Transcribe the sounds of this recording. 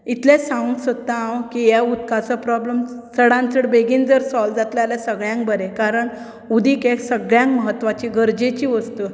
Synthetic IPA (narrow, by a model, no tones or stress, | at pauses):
it̪lẽsãũnsət̪aãwkijaut̪kat͡səpɾɔbləmsəɽãnt͡səɽbeɡiːnd͡zəɾsɔld͡zat̪lalesəɡɭjãŋk̚bəɾẽkaɾəɳ | ud̪ʱiːkeksəɡɭjãŋkməɦət̪ːʋat͡ɕiɡʱəɾd͡ʑet͡ɕiːʋəst̪ə